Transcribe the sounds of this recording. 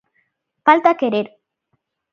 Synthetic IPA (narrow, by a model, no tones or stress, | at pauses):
falt̪akeɾeɾ